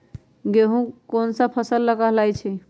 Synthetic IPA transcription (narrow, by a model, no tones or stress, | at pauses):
ɡeɦũkonsə̃pʰəsəlːəɡəɦlajt͡ʃʰi